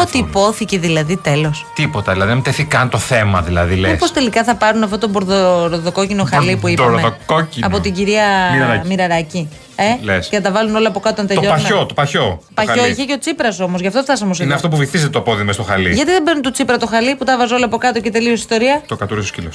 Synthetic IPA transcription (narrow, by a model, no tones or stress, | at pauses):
ot̪iːpo̞θiceðilɐðit̪elo̞st̪ipot̪ɐðilɐðiðemt̪eθikɐnt̪o̞θe̞mɐðilɐ̰ðilemḭpost̪elikɐθɐpɐɾunɐft̪ot̪o̞boɾðoɾoðoko̞cinoxɐlipuip̪ɐɾmeokociɐpo̞t̪iɟiɾiɐɾɐɾɐmiɾɐɾɐci | elesceθɐt̪ɐvɐluno̞loɐpo̞kɐt̪oont̪et̪oʎoɐo̞t̪opɐço̞t̪opɐo̞içeceot͡sipɾɐso̞mozʝɐft̪oft̪ɐs̬omos̬iineɐft̪o̞puviθizet̪et̪opo̞ðimest̪oxɐlḭʝɐt̪iðebeɾnunt̪ut͡sipɾɐt̪o̞xɐliput̪ɐvɐzeo̞loɐpo̞kɐt̪o̞cet̪eliosi̥st̪oɾiɐt̪okɐt̪uɾisoscilos